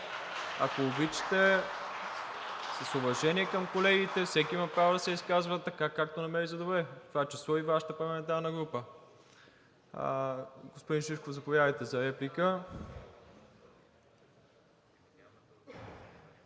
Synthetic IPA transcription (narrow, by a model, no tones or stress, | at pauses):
a̰koːbit͡ʃi̥t̪ɛ | səsʊvɐʒɛniɛkəmkolɛɡit̪ɛfsɛkʲiimɐpɾavod̪ɐsɛiskazvət̪ːɐkakːak̚t̪onɐmɛɾizɐd̪obɾɛt̪vat͡ʃɛsoivaʃə̥t̪əpɐɾlɐɛmɛnt̪̬aɾnəɡɾupə | ɡospʊd̪inʃiʃkovzɐpovʲjad̪əjt̪ɛzɐɾɛplikə